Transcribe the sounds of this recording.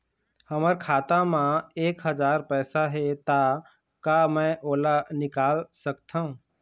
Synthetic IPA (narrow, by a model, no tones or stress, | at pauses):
həməɾkʰaːt̪ãmãeːkɦəd͡ʒaːɾpɛːsaɦet̪a | kamɛ̃ʔoːlanɪkaːlsəkt̪ʰaɦũː